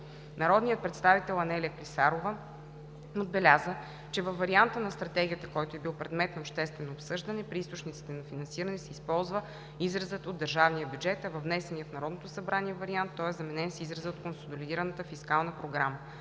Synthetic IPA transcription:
nɐɾɔd̪nijət̪̚pɾɛt̪st̪avit̪ɛlˠɐnɛliəklʲisaɾovə | od̪̚bɛlʲazə | t͡ʃɛvɐfːɐɾiant̪ənɐst̪ɾɐt̪ɛɡʲijət̪əkɔjt̪oɛbilˠpɾɛd̪mɛt̪nɐoːpʃt̪ɛst̪vɛnoːpsɤʒd̪ɐnɛpɾiist̪ot͡ʃnit̪si̥t̪ɛnɐfinɐnsiɾənɛsɛispɔlˠzvə | izɾɐzət̪od̪ːəɾʒavnijəbʲjud͡ʒɛt̪ɐvɐvnɛsɛnijəfnɐɾɔd̪not̪osɐbɾaniɛvɐɾiant̪ːɔɛzɐmɛnɛnsɛizɾɐzəot̪konsod̪olid̪iɾənət̪əfiskalˠnəpɾoɡɾamə

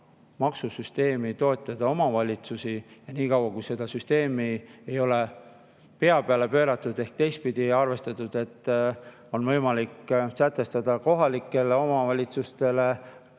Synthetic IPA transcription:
mɑksusyst̪e̞ːmit̪o̞et̪ːˑɑd̪̥ɑo̞mɑvɑlʲit̪susijɑniːkɑwɑkujse̞d̪̥ɑsyst̪e̞ːmie̞jo̞le̞ | pe̞ɑpeɑle̞pø̞ːɾɑt̪ːˑud̪̥e̞hk̚t̪e̞js̚pid̪̥iɑrve̞st̪ɑt̪ˑud̪̥e̞t̪ː | o̞nvɤjmɑliksæt̪ːˑe̞st̪ɑd̪̥ɑko̞ɦɑlikːˑe̞le̞o̞mɑvɑlʲit̪sust̪e̞le̞

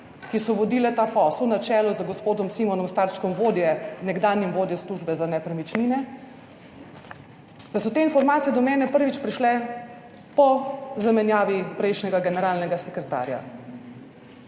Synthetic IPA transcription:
kisɔʋɔd̪iːlɛt̪apɔslnat͡ʃɛːlɔzəɡɔspoːd̪ɔmsimɔnɔmst̪aɾʃkɔmʋoːd̪jɛnɛɡd̪aːnjɛmʋoːd̪jɛsluʒbɛzanɛpɾɛmit͡ʃninɛ | d̪̥asɔt̪eːinfɔɾmaːt̪sijɛd̪ɔmɛːnɛpəɾʋit͡ʃpɾiʃlɛ | pɔzamɛnjaːʋipɾɛjʃnɛɡaɡɛnɛɾaːlnɛɡasɛkɾɛt̪a̰ːɾja̰

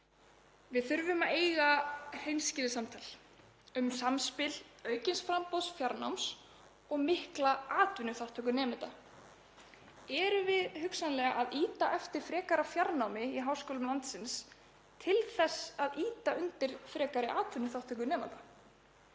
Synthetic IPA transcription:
vɪðθʏɾvʏmaeːjɣahejnscɪːlɪsamt̪ʰal | ʏmsamspɪlœːɥcɪnsfɾampowðsfjaɾna̰wms | ɔɣmɪhklaaːt̪vʏnːʏθaw̥t̪ʰœkʏnɛːmɪt̪a̰ | ɛɾʏvɪðhʏksanlɛːɣaʔaðiːt̪aʔɛft̪ɪɾ̥fɾɛːkaɾafjaɾnawmɪiɦaːwskɔːlʏmlant̪sɪns | t̪ʰɪlθɛsaðiːt̪aʏnt̪ɪɾ̥fɾɛːkaɾɪʔaːt̪vʏnʏθaw̥t̪ʰœkʏnɛːma̰t̪a

